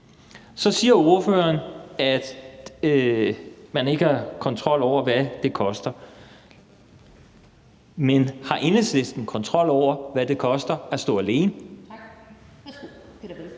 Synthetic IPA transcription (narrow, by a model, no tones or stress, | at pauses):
sɒ̽siːɐo̝ɐfø̰ɐnæd̥ | mæne̝ɡ̥əhɑ̈kʰɒ̽nt͡sʰʁɒ̽l̰ɒʊ̰ɐʋæd̥e̝kʰɒ̽sd̥ɐ | menhɑ̈ʔe̝nesle̝sd̥n̩kʰɒ̽nt͡sʰʁɒ̽l̰ɒʊ̰ɐʋæd̥e̝kʰɒ̽sd̥ɐæsd̥ɔ̰̽ːæle̝ːn